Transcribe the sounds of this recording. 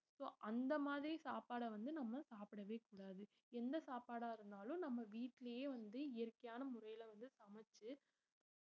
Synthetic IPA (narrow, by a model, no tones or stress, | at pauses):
soːʔɐnd̪ɐmaːðɪɾisaːpaːɽɐʋɐnd̪ɯnɐmːɐsaːpɪɽɐʋeːkuːɽaːðɯ | ɛnd̪ɐsaːpaːɽaːɪɾɯnd̪aːlʊ̃nɐmːɐʋiːʈːɪlɐjeːʋɐnd̪ɯɪjɐɾkɐjaːnɐmʊɾɐjɪlɐʋɐnd̪ɯsɐmɐt͡ʃːɯ